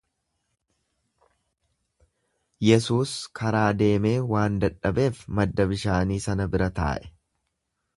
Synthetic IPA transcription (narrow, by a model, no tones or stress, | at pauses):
jɛsuːskʰɐɾaːd̪e̞ːme̞ːwaːnd̪ɐᶑːɐbe̞ːfmɐd̪ːɐbɪʃaːniːsɐnɐbɪɾɐt̪a̰ːʔɛ̥